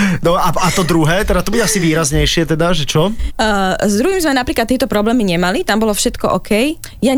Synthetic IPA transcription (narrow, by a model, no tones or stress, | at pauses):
nɔaat̪ɔd̪ɾuɦɛːt̪ɛd̪at̪ɔbuɟɛasiʋiːɾazɲɛjʃɪɛt̪ɛd̪aʒɛt͡ʃɔ | zd̪ɾuɦimzmɛnapɾiːklat̪ːiɛt̪ɔpɾɔblɛːmiɲɛmalit̪ambɔlɔfʃɛt̪kɔʔɔkɛj | ja